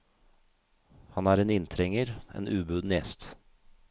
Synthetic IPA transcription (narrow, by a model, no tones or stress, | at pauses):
hɑnæːɾeːnɪnt̪ʰɾɛŋəɾʔḛːnʔʉːbʉːd̪njɛst̪